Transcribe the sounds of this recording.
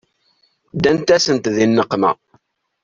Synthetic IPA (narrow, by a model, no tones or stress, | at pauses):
d̪ænt̪æsənt̪ðinːəqːmə̰